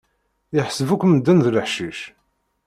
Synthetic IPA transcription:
jəħsəvukʷːməd̪ːənðləħʃiʃ

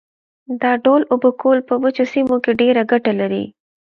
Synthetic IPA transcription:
d̪ɑɖolʊbəkʰolpəwət͡ʃosimokeɖeɾaɡaʈalaɾḭ

